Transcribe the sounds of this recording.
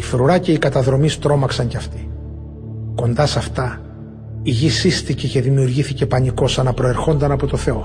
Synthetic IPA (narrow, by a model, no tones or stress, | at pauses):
ifɾuɾɐce̞ikɐt̪ɐðɾo̞mist̪ɾo̞mɐksɐɲceɐft̪i̥ | ko̞nd̪ɐsɐft̪ɐ | iʝisist̪ice̞ce̞ðimiuɾʝiθice̞pɐniko̞sɐnɐpɾo̞e̞ɾxo̞nd̪ɐnɐpo̞t̪o̞θe̞o̞